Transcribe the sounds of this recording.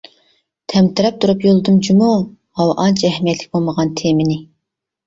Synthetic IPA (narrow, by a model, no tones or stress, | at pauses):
t̪ʰɛmt̪ɨɾɛp̚t̪ʰuɾupjolˠɨd̪ɨmd͡ʒimu | hɑwʔɑnt͡ʃʰɛhmijɛt̪lɪ̥kʲbolˠməʁɑnt̪ʰemɪnɪ